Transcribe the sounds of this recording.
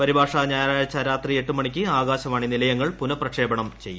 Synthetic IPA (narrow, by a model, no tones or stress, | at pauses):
pɐɾibʱaːʂaɲaːjaɐt͡ɕːɐɾaːt̪rie̞ʈːumɐɳikʲːɨaːɡaːɕɐmaːɳinilɐjɐŋːɐɭpunɐprɐkʂe̞ːbɐɳɐmt͡ɕe̞jːu